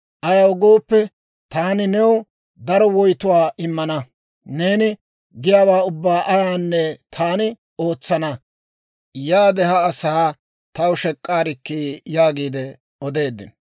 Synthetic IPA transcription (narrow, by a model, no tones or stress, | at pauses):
ʔɐjɐwɡo̞ːpːɛ | t̪aːnɪnɛwʊ | d̪ɐɾɔwɔjt̪ʊwaːʔɪmːɐnɐ | ne̞ːnɪ | ɡɪjaːwaːʊbːaːʔɐjaːnːɛt̪ʰaːnɪ | o̞ːt͡sːɐnɐ | jaːd̪ɛɦɐːsɐha | t̪ɐwʃɛkʼːaːɾɪkːiːjaːɡiːd̪ɛ | ɔd̪e̞ːd̪ːɪ̰n